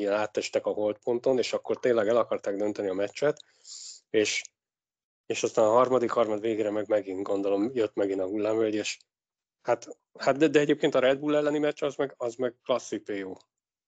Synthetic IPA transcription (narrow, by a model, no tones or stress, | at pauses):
ɛnaːt̪ːɛʃt̪ɛkɒɦo̞lt̪̚po̞nt̪o̞neːʃɒkːo̞rt̪eːnlːɛɡɛlɒkɒrt̪aːɡ̚d̪ønt̪ɛniɒmɛt͡ʃːɛt̪ | eːʃ | eːʃɒst̪aːnɒɦɒrmɒd̪ikhɒrmɒd̪veːɡeːɾɛmɛɡmɛɡinɡo̞nd̪o̞lo̞mjøt̪mɛɡinɒɡulːaːmvøɟeːʃ | hat̪ | hat̪d̪ɛd̪ɛɛɟeːp̚keːnt̪ɒɾɛd̪̚buːlɛlːɛnimɛt͡ʃːɒzmɛɡɒzmɛɡ̚klɒsːipeːjoː